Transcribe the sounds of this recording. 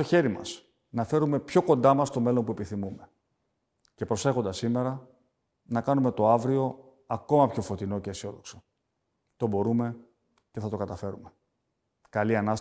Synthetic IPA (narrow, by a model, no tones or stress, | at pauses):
o̞çe̞ɾimɐ̰s | nɐfe̞ɾume̞pço̞ko̞nd̪ɐmɐst̪o̞me̞lo̞npue̞piθimume̞ | ce̞pɾo̞se̞xond̪ɐsime̞ɾɐ | nɐkɐnume̞t̪o̞ɐvɾio̞ | ɐko̞mɐpço̞fo̞t̪ino̞ceːsio̞ðo̞kso̥ | t̪o̞bo̞ɾume̞ | ce̞θɐt̪o̞kɐt̪ɐfe̞ɾume̞ | kɐliɐnɐs